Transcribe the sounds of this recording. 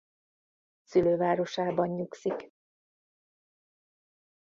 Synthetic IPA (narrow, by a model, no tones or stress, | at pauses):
syløːvaːɾo̞ʃaːbɒɲːuksik